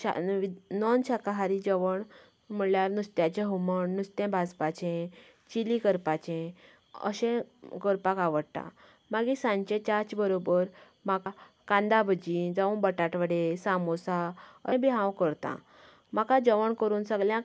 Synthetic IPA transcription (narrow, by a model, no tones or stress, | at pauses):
ɕa̰ʋinɔnɕakaɦaɾid͡ʑəʋəɳ | m̤əɳljaɾnust̪jat͡ɕẽɦuməɳnust̪ẽbʱad͡zpat͡ɕẽ | t͡ɕilikəɾpat͡ɕẽ | ə̰ɕẽkəɾpakaʋəɽt̪ã̰ | maɡisãɲt͡ɕẽt͡ɕaɾt͡ɕbəɾobəɾ | maka | kãnd̪abʱəd͡ʑid͡zaʋũbəʈaʈʋəɽesamosaəbiɦãwkəɾt̪ã̰ | makãd͡ʑəʋəɳkəɾuːnsəɡljã